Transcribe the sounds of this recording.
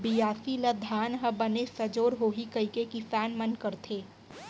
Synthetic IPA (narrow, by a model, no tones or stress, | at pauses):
bijaːsiləd̪ʱaːnɦɐbɐnesɐd͡ʒoːɾɦoːɦikɐikekifɛːnmɐnkəɾt̪ʰeː